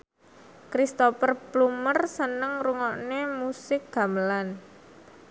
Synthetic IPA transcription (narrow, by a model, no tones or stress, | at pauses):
kɾist̪ofərplumərsənəŋruŋɔʔnemusɪk̚ɡ̥a̤məlan